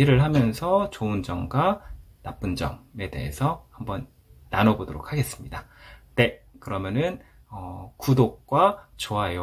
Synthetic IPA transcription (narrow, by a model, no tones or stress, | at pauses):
iɾɯɭɦamjʌnsʰʌt͡ɕoɯnd͡ʑʌŋɡwa | nap͈ɯnd͡ʑʌ̰ŋe̞de̞̰ɦḛsʰʌhambʌnː | anʌbodoɾok̚ʰhaɡe̞s͈ɯ̥mɲidane̞ | kɯɾʌmjʌnɯn | ʌkudok̚k͈wat͡ɕoaejo